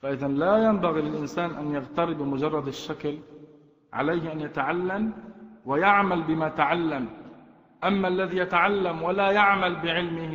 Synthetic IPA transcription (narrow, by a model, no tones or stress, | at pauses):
faʔɪðanlaːjambaɣiːlɪlʔɪnsaːnʔanjaɣt̪ɑɾɪbɪmʊd͡ʒɑrˤːɑd̪aʃːakl | ʕa̰lajhɪʔanjat̪aʕalːamwajaʕmalbɪmaːt̪aʕalːam | ʔamːaʔalːaðiːjat̪aʕalːamwalaːjaʕmalbɪʕɪlmɪh